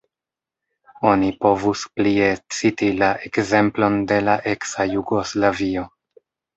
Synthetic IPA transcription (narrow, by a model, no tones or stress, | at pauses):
o̞nipo̞vusplie̞t͡sitilaʔe̞kze̞mplo̞nde̞laʔe̞ksajuɡo̞slavio̞